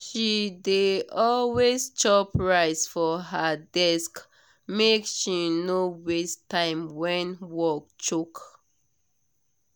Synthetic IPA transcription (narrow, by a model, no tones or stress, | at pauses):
ʃideɔlwest͡ʃɔpɹaɪsfɔɦədɛsk | mekʃinowestãɪ̃mwɛ̃nwɔk̚t͡ʃuk